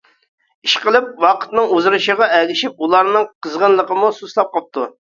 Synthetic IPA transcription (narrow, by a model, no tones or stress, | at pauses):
iʃqəlˠɪpwɑqʰə̥t̪nɨŋuzɾɨʃəʁɑʔɛlʲɪʃip̚ulˠɑɾnɨŋqʰəzʁənlˠəqəmususlˠɑp̚qɑp̚t̪ʰu